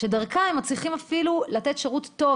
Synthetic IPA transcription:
ʃedaʁkaemːat͡sliχimafilulat̪etʃeʁutːo̞

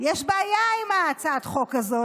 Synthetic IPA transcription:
jɛʃbaːjaimaːt͡sat̪χokazo

